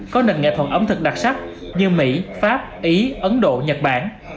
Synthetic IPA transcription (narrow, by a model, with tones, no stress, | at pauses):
kɔ˨˦nə̰˨˩nŋɛ̰˧˨t̪ʰə˨˩t̚ʔə˨˦wŋ͡mt̪ʰɨ˨˩k̚ɗa˨˩k̚sa˦˥t̚ | ɲɨ˧mḭ˧˥faː˦˥p̚ʔi˨˦ʔə˨˦nɗo̰˧˨ɲə˨˩t̚ɓaː˧˩n